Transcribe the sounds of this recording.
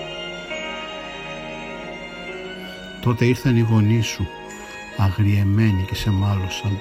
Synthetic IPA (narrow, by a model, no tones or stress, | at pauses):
t̪o̞t̪e̞iɾθɐniɣo̞nisu | ɐɣɾie̞me̞nice̞se̞mɐlosɐn